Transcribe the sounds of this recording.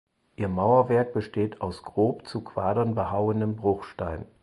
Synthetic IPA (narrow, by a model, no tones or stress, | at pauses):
ʔiːɐmaʊɐvɛɐk̚b̥əʃteːtʰaʊsɡ̥ʁoːpt͡sukʰv̥aːdɐnbəhaʊəndəmbʁʊχʃtaɪn